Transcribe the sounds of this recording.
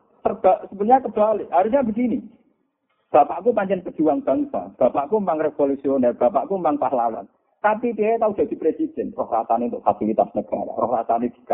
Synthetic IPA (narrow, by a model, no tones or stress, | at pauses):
sərb̥a̤ʔsəbəlɲakəb̥aleɦaɾusɲabəs̬ini | b̥a̤paʔkupaɲt͡ʃɛnpə̥d͡ʒ̥uwaŋb̥a̤ŋsa̰b̥a̤paʔkumpaŋrefolusionɛb̥a̤paʔkumpaŋpahlawa̰n | t̪apit̪iat̪aud̪̥a̤d̪̥i̤pɾesid̪̥ɛ̤nrɔhra̰saneunt̪ʊʔfasilit̪a̰snəɡ̥a̰ɾa̰rɔ̰hrasaned̪̥i̤̥ka